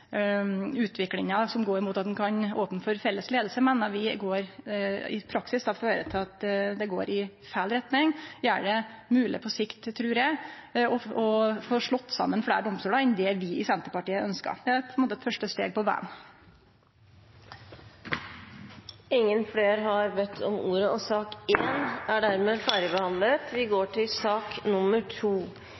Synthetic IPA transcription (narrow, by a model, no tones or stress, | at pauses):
ʉːt̪ʰʋɪklɪŋɑsɔmɡoːɾmuːt̪ɑt̪d̪nkʰɑnoːpnfɔɾfɛlːəsleːd̪l̩səmɛnːɑɾʋɪɡoːɾɪ̰pʰɾɑksɪsd̪ɑʋføːɾət̪ʰɪɑt̪d̪ɛɡo̰ːɾɪ | fælɾɛt̪nɪŋæɖɛmʉːlʔɪ̰pʰɔsɪkt̪ʰːɾʉːɾjæɪɔɔfoːʂɭɔt̪ːsɑ̰mːənfɽḛːɾɖɔmst̪uːlɑɪnd̪ɛʋɪɪsɛnt̪əpɑʈiːəœnskɑ̰ɾd̪ɛæɾpʰɔnmoːt̪ɛt̪fœʂʈəst̪eːɡ̚pɔʋɛ̰m | ɪŋːənfleːɾɦɑɾbɛt̪ʰːɔmuːɾəɔsɑːkeːnæɖæɾmeːfɑːɾəbəhɑnlət̪ʋɪɡoːʈʰɪlsɑːknʊmːəʈʰuː